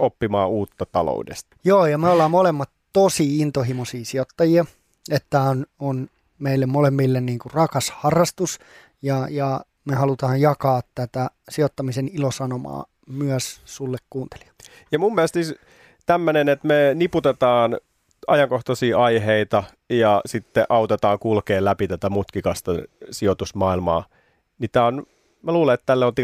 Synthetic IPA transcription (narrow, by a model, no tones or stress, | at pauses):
opːimɑ̰ːuːt̪ːɑt̪ɑ̰lo̰udḛst̪ɑ̥joːjɑmeolːɑːmolemːɑt̪t̪osiint̪oɦimosiːsiot̪ːɑjiɑ | et̪ːæonon | meilːemmolemːilːenniːŋkurɑkɑshɑrːɑst̪us | jɑjɑ | mehɑlut̪ɑːjjɑkɑːt̪tæt̪æsiot̪ːɑmisenilosɑnomɑ̰ː | myœssulːekkuːnt̪e̥li̥ɑ̥ | jɑmumːiælest̪siːs | t̪æmːønenet̪meniput̪et̪ɑːn | ʔɑjɑŋkoht̪ɑsiːʔɑiɦeit̪ɑ | jɑsit̪ːeʔɑut̪et̪ɑːŋkulkeːlæpit̪æt̪æmut̪kikɑst̪ɑsiot̪usmɑːilmɑ̰ː | nit̪æon | mæluːleet̪t̪ælːeolt̪i